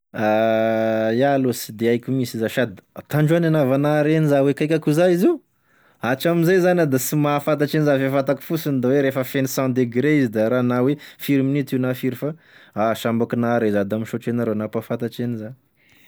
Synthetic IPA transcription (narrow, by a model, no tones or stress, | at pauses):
a | jalosi̥d̪eajkʲumisizaʃad̪it̪aɳɖ͡ʐuananavanaɾenizawekajkʲakuzaiziu | aʈ͡ʂamizajzanad̪asimafat̪̬aʈ͡ʂenizafefat̪aki̥fusind̪aweɾefəfenisɑ̃d̪eɡɾeizid̪aɾanawefiɾminit̪iunafiɾifa | aʃambakinaɾezad̪amiʃoʈ͡ʂenaɾonapafat̪aʈ͡ʂeniza